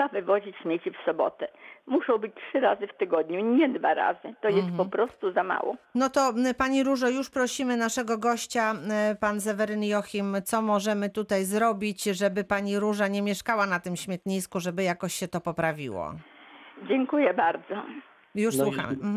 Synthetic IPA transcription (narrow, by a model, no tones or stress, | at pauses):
avɘvɔʑit͡ɕɕmʲjet͡ɕifsɔbɔ̰t̪ɛmuʃɔ̃w̃bɘt͡ɕʲtʂɘɾazɘft̪ɘɡɔd̪ɲuɲɛd̪va̰ɾa̰zɘt̪ɔjɛst̪pɔpɾɔst̪uzama̰wɔ̰nɔt̪ɔpaɲiɾuʐɔjuʂpɾɔɕimɘnaʂɛɡɔɡɔɕt͡ɕapans̬ɛvɛɾɘnjɔxʲimt̪sɔmɔʐɛmɘt̪ut̪ajzɾɔbʲit͡ɕʐɛbɘpaɲiɾuʐaɲɛmʲjɛʂkawanat̪ɘmɕmʲjɛt̪ɲiskuʐɛbɘjakɔɕɕɛt̪ɔpɔpɾavʲḭwɔ̰ | d͡ʑɛŋkujɛbaɾd̪zɔ | juʂswuxa̰m